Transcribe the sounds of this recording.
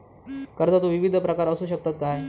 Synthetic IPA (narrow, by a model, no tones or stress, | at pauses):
kəɾd͡z̪at̪uʋiʋid̪ʱpɾəkaɾəsuːɕək̚t̪at̪̚kae